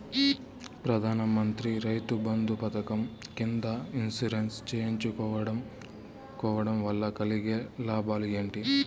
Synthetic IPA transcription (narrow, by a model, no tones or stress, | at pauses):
pɾɐd̪ʱaːnɐmɐnt̪ɾiɾɐjt̪ubɐnd̪upɐt̪ɐkɐmkind̪ɐinsuɾenst͡ʃeːjɲt͡ʃukɔːʋɐɽɐm | kɔːʋɐɽɐmʋɐlːɐkɐliɡelaːbaːlieːɳʈi